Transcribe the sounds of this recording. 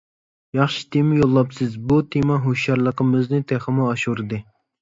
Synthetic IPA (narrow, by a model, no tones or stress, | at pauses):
jɑχʃi̥t̪ʰemɪjolˠːɑpsɨzbut̪ʰemɑɦoʃjɑɾlˠəqəmɨznɨt̪ʰɛχəmuɑʃuɾɨd̪ɨ